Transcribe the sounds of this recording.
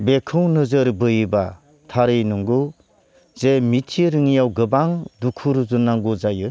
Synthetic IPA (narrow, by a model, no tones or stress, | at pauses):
bekʰɯwnɯzɯɾbɯjba | tʰaɾɯjnuŋɡu | zemitʰiɾɯŋijawɡɯbaŋdukʰuɾuzunːaŋɡuzajɯ